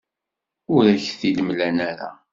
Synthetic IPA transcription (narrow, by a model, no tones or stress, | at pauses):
ʊɾæçθiləmlænæɾæ̰